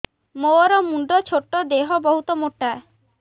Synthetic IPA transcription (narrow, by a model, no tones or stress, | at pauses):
moɔɾɔmuɳɖɔt͡ʃʰoʈːɔd̪eɦɔbɔɦut̪ɔmoʈːa